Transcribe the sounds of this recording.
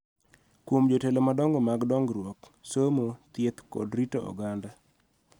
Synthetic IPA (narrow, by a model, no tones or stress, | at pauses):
kwomd͡ʒotelomadɔŋɡɔmaɡdɔŋɡɾwɔk | somot̪et̪kɔ̰dɾitoɔ̰ɡanda